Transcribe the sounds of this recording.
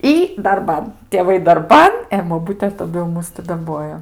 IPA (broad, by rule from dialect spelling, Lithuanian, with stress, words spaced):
ˈiː dɐrˈbɐn tʲeːˈʋɐɪ dɐrˈbɐn ɛ boːˈbʊtʲɛ tɐˈdʊ jɛʊ ˈmʊs tʲɪ dɐˈboːjoː